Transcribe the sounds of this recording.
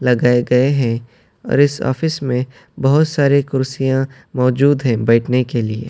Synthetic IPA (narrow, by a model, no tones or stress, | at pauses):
lɐɡaːeɡɐeɦɛ̃ | ɔ̰ːɾɪsɔ̰ːfɪsmẽ | bɐɦʊt̪saːɾekʊɾsijã | mɔːd͡ʒuːd̪ɦɛ̃bɐːʈnekeliḛ